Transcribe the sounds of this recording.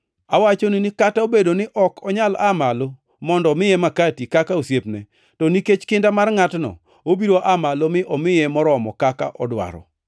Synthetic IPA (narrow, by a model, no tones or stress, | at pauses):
awat͡ʃonɪnɪkataobedonɪʔɔkʰɔɲalamalo | mɔndɔmɪjɛmakatikakaosjepnɛ | tɔniket͡ʃkɪndamarŋatnɔ̰ | obiɾoʔamalomɪʔɔmɪjɛmɔɾɔmɔ̰kaka̰ʔɔdwa̰ɾɔ̰